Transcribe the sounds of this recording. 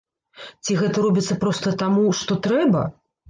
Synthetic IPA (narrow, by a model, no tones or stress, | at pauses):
t͡sʲiɣɛt̪ɐɾɔbʲit̪sːɐpɾɔst̪ɐt̪amuʂt̪ɔt̪ɾɛbɐ̰